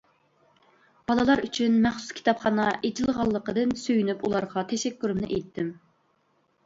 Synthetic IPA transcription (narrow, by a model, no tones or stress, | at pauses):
b̥ɑlˠəlˠɑɾyt͡ʃʰynmɛχsu̥skʲi̥t̪ɑpχɑnɑʔed͡ʒʰilˠʁɑlˠːəqəd̪ɨnsøjynypulˠɑɾʁɑt̪ʰɛʃɛkʲːyɾymnɪʔejt̪ʰːɪm